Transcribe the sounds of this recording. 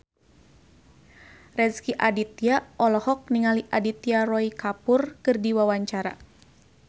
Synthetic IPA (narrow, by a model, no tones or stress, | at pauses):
rɛskiʔadit̪iaɔlɔhɔk̚niŋaliʔadit̪iarɔikapurkɨrdiwawaɲt͡ʃaɾa̰